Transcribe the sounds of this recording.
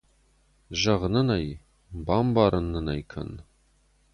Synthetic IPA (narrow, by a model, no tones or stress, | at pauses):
ʒɐʁnɨnɐj | baːmbaːɾʔɨnːɨnɐjkʰɐ̰n